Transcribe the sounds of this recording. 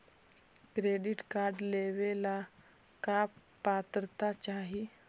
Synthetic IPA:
kɾeɖiʈkaɾɖleʋela | ka | pat̪ɾət̪at͡ɕaɦi

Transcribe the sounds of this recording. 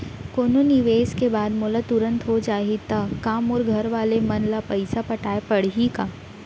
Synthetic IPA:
koːnonɪʋeːskebaːd̪moːlat̪ʊɾə̃nt̪ɦod͡ʒaːɦit̪akaːmɔːɾɡʱɐɾʋaːlemɐnlapɐɪsapɐʈaːepɐɽ̤ɦikaː

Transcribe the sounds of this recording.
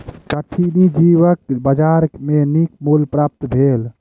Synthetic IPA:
kəʈʰinid͡ʒiʋəkbəd͡ʒaɾmenik̚mulpɾap̚t̪bʱel

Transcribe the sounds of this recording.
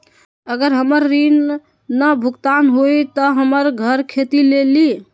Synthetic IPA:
əɡəɾɦəməɾːinː | əbʱukt̪anɦojt̪ɔɦəməɾɡʱəɾkʰet̪ileli

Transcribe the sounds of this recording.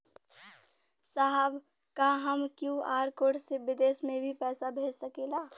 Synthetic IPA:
saɦəb | kaɦəmkjũaːɾkoːʈsebɪd̪eːsmẽbʱipɛːsabʱeːd͡ʒsəkeːlaː

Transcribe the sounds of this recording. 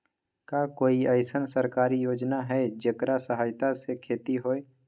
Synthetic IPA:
kaːkoːiəɪsənsəɾkaːɾijoːd͡ʒnaɦɛd͡ʒekɾasəɦaːɪt̪asekʰeːt̪iɦoːeː

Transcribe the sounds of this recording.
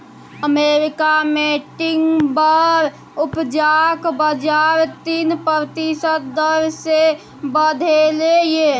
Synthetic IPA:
əmeɾikameʈɪŋɡbəɾ | upd͡ʒakbəd͡ʒaɾt̪iːnpɾəɾt̪isət̪̚d̪əɾse | bəd̪ʱeleje

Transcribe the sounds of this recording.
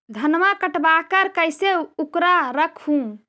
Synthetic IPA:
d̪ʱənmakəʈbakəɾkəjseukɾaɾəkʰhũ

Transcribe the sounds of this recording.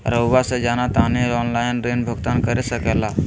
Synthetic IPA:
ɾəwʋased͡ʒanat̪aniɾɔnlajnɾenbʱəɡt̪ankəɾesəkɛla

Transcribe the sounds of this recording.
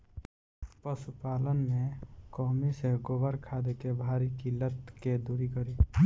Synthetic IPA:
pəsupaːlənmẽkɔːmiseɡoːbəɾkʰaːd̪ekebʱaːɾikilət̪ked̪uːɾikəɾi

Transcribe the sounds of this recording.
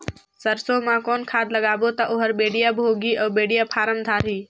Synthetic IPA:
səɾsoːmãːkoːnkʰaːd̪ləɠaːboːt̪aʔʊɦəɾɓeːɽijaːbʱoːɡiːʔəːbeːɽijaːpʰaːɾəmd̪ʱaːɾiː

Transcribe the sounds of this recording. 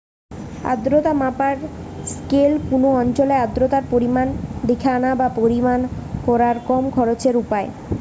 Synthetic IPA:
a̰d̪ɾot̪amapaɾ | skelkunoɔnt͡ɕolead̪ːɾot̪aɾpoɾimanɖ̪ikʰanabapoɾimankɔɾaɾkɔmkʰɔɾot͡ɕeɾupae

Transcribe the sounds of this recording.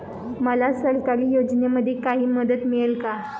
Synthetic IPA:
məlasəɾkaɾiːjod͡ʑneməd̪ʱekaɦiːməd̪ət̪miɭelka

